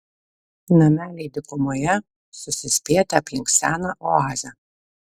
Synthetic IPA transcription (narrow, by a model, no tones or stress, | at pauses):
nɐmʲæːlʲɛɪd̪ʲɪkʊmoːjɛ | sʊsʲɪsʲpʲeːt̪ʲɛɐpʲjɪŋksʲæːnɐʔoːɑːzʲɛ